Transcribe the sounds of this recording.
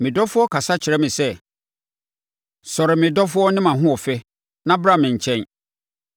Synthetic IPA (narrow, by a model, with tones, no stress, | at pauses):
mɪ̃˨dɔ˦fʊ˦ɔ˦kʰa˨sa˦t͡ɕʰɪ˨ɾɛ˦mɪ̃˨sɛ˦ | sɔ˨ɾɪ˨mɪ̃˨dɔ˦fʊ˦ɔ˦nɪ̃˦mã˨ɦʊ̃˦ɔ˨fɛ˦ | nã˦bɾa˦˨mɪ̃˨ɲ̩˨t͡ɕʰɛ̃˦n